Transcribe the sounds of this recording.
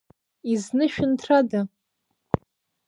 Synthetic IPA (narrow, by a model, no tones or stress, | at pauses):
iznɨʃᶣʊntʰrada